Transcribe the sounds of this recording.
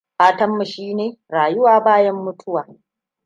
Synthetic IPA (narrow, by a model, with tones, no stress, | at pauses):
ɸaː˦tɐ˦mːɐ˨ʃiː˦neː˨ɾaː˨jʊ˦waː˨baː˦jɐ˦mːʊ˦tʰʊ˦waː˨